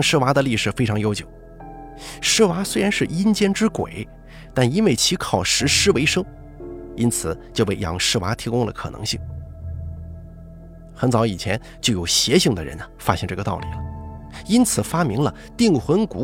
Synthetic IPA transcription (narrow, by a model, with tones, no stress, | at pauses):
ŋʂɻ̩˥wa˧˥d̪ə˧li˥˩ʂɻ̩˨˩fe˥ɪʈ͡ʂʰɑ˧˥ŋjo˥ʊt͡ɕjo˨˩˦ʊ | ʂɻ̩˥wa˧˥swe˥ɪɻa˧˥nʂɻ̩˥˩i˥nt͡ɕjɛ˥nʈ͡ʂɻ̩˥kwḛ˨˩˦ɪ | t̪a˥˩ni˥nwe˥˩ɪt͡ɕʰi˧˥kʰɑ˨˩ʊʂɻ̩˧˥ʂɻ̩˥we˧˥ɪʂɤ˥ŋ | i˥nt͡sʰɹ̩˨˩˦t͡ɕjo˥˧ʊpe˥˩ɪjɑ̰˧˥ŋʂɻ̩˥wa˧˥t̪ʰi˧˥kʊ˥ŋlə̰˨kʰɤ̰˨˩nɤ̰˧˥ŋɕi˥˩ŋ | xə˧˥nt͡sɑ˧˥ʊi˨˩t͡ɕʰjɛ˧˥n | t͡ɕjo˥˩ʊjo˨˩ʊɕjɛ˧˥ɕi˥˩ŋd̪ə̰˩ɻə̰˧˥nfa˥ɕjɛ˥˧ŋʈ͡ʂɤ˥˩ɡə˩t̪ɑ˥˩ʊlḭ˨˩lə˦i˥nt͡sʰɹ̩˨˩fa˥mi˧˥ŋlə̰˧ | t̪i˥˩ŋxwə˧˥nku˧˥